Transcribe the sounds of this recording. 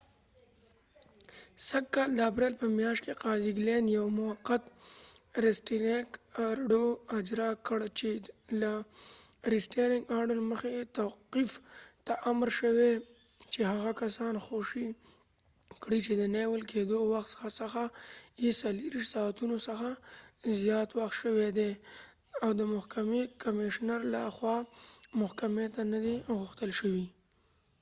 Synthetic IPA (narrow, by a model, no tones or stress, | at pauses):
saɡkɑld̪əapɾelpəmjɑʃt̪keqɑziɡlenjawmʊaqːat̪ | ɾesʈinekɾɖoad͡ʒɾɑkəɽt͡ʃela | ɾisʈaɾɪŋɡɑɾɖəɾməxet̪awqift̪aʔamɾʃəwe | t͡ʃehaɣakasɑnxoʃi | kɽit͡ʃed̪ənewəlkʰed̪owaxt̪sə̥xasəxajesaliɾiʃtsɑt̪unosəxazjɑt̪waxt̪ʃəwed̪e | awd̪əmʊhkamekʰamɪʃnaɾlaxwɑmʊhkamet̪anad̪iɣʊxt̪əlʃəwi